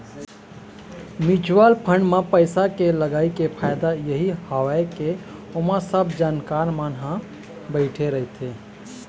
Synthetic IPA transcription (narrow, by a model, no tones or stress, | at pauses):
mid͡ʒʋalpʰəɳɖmãpəɪsakeləɡaːikepʰajd̪ajəɦihəʋaekeomasəbʱd͡ʒaːnkaɾmanɦã | bəɪʈʰeɾəɦit̪ʰe